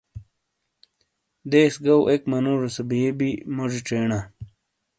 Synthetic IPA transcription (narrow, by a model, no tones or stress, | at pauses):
d̪eːsɡɐwʔekmɐnuːʐesɐbijebimoʐiʈ͡ʂeːɳa